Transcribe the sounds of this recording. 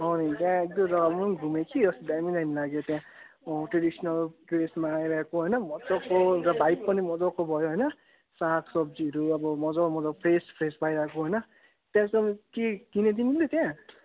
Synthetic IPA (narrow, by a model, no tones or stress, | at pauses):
ɦʌnit̪jãek̚d̪ʌɾʌɡalmʌnɡʱumekʰid͡zʌst̪d̪aminanilaɡot̪jãʈreɖisnʌlpresmaːjɾʌɦekoɦʌjnʌmʌd͡zɔkoɾabajpːʌnimʌd͡zɔkobʱʌjoɦʌjnʌ | sakʰsʌb̚d͡ziʌɾuʌbʌmʌd͡zamʌd͡zʌpʰɾespʰɾespajɾʌɦekoɦʌjnʌ | t̪jãsʌkekined̪inilet̪jã